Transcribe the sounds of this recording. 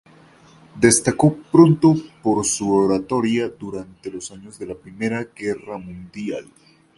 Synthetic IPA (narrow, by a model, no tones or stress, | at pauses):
d̪e̞st̪ako̞pɾont̪o̞po̞ɾsuoɾat̪o̞ɾjad̪uɾant̪e̞lo̞saɲo̞zðe̞lapɾime̞ɾaɡe̞ramũnd̪jal